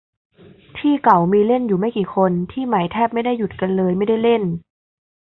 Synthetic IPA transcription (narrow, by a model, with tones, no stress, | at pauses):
t̪ʰiː˥˩ka˨˩˦wmiː˧le˥˩njuː˨˩ma˥˩kiː˨˩kʰo˧nt̪ʰiː˥˩ma˩˦jt̪ʰɛː˥˩p̚ma˥˩jda˥˩ju˨˩t̪̚ka˧nlɤː˧jma˥˩jda˥˩jle˥˩n